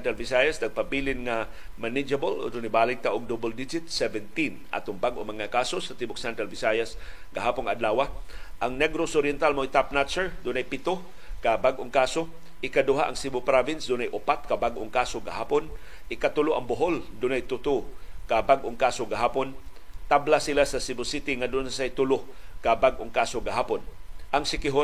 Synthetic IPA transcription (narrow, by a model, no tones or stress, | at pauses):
t̪ɾalvɪsajasd̪ɐɡ̚pabilɪnŋa | manɪd͡ʒabolo̰d̪ʊnajbaːlɪɡ̚t̪aʔʊŋd̪obɛld̪ɪd͡ʒɪt̪sɛvɛnt̪inʔa̰t̪ʊŋbaɡʔomɐŋakaːsosat̪ibʊksɛnt̪ɾalvɪsajas | ɡaɦaːpʊnŋaad̪laːwaʔaŋnɛɡɾosoɾjɛnt̪almoɪt̪apnat͡ʃɛɹd̪ʊnajpɪt̪o | kabaɡʔoŋkaːso | ʔɪkad̪ʊɦaʔɐŋsibʊpɾavɪnsd̪ʊnajʔʊpat̪̚kɐbaɡʔoŋkaːsoɡɐ̰haːpon | ʔɪkat̪ʊloʔɐŋbʊɦold̪ʊnajt̪ʊt̪ukabaɡʔoŋkaːsoɡɐɦaːpon | t̪ablasɪlasɐsibʊsit̪ɪŋad̪ʊnsasajt̪ʊlo | kabaɡʔoŋkaːsoɡɐɦaːponʔaŋsɪkɪɦo